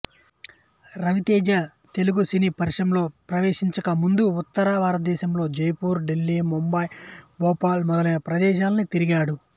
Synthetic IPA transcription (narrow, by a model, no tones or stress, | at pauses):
ɾɐʋit̪eːd͡ʒa | t̪e̞luɡusiniːpɐɾʂɐmlo̞ːpɾɐʋeːʂiɲt͡ʃɐkɐmund̪uːt̪ːɐɾaːʋaːɾɐd̪ɛːʃɐmlo̞ːd͡ʒejpuːɾɖelːiːmumbɐjbɔːpaːlmɔd̪ɐlɐjnɐpɾɐd̪ɛːʃ̬aːlɐnit̪iɾiɡaːɽu